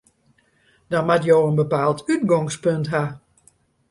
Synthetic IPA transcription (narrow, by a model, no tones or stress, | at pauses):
d̥ɔnmatjoːənbəpaːlˠtyt̚ɡɔŋspøntɦa